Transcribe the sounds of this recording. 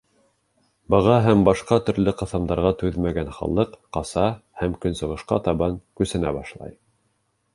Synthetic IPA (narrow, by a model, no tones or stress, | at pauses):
bɤ̆ʁɑɦæmbɑʃqɑt̪ɵ̆ɾlɘqɤ̆θɑmd̪ɑɾʁɑt̪ʉðmæɡænχɑ̰lˠːɤqqɑsɑhæmkɵ̆nsɤ̆ʁɤ̆ʃqɑ̰t̪ɑβɑŋkʉsɘ̆næbɑʃlˠɑ̰j